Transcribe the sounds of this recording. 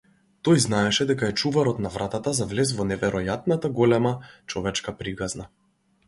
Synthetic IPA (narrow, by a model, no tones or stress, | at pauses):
t̪ɔjznaɛʃɛd̪ɛkaɛt͡ʃuvaɾɔt̪navɾat̪at̪azavlɛz̬vɔnɛvɛɾɔjat̪̚nat̪aɡɔlɛmat͡ʃɔvɛt͡ʃkapɾikazna